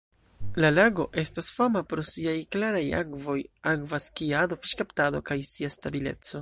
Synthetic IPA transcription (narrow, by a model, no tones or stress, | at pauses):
lalaɡo̞ʔe̞stasfamapɾosiajklaɾaja̰ɡvo̞jakvaskiado̞fiʃkaptado̞kajsiastabile̞̰t͡so̞